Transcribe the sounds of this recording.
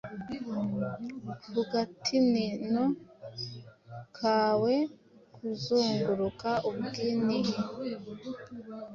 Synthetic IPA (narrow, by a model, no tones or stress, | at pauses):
huɡatʰinino | kʰaːwe | kʰuzoːŋɡuɾukaʔuβɡiniɦ